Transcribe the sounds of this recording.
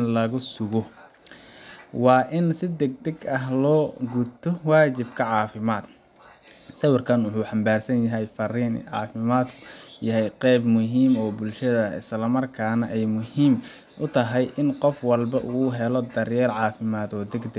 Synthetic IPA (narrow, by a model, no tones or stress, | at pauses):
nlɐɣʊsʊɣɔ | wɑːʔɪnsɪd̪ɛɡ̚d̪ɐɡɐɦlɔːɡʊt̪ʰɔwɑːt͡ʃɪbkʰɐʕɑːfɪmaːd̪ | sɐwɑrkʰɐnwʊħuːħɑmbaːrsɐnjɐɦɛjfɐriːn̰ʕɑ̰ːfɪmaːd̪kʰʊ̥jɐɦɛjqɛːbmʊɦiːmɔːbʊlʃɐðɐɪ̰slɐmɐrkʰaːnɐʔɛjmʊhiːm | ʔʊt̪ʰɐɦɛjʔɪnqɔfwɑlbɐʔuːɦɛlɔd̪ɐrjɛːrʕɑːfɪmaːd̪ɔːd̪ɛɡd̪ɛ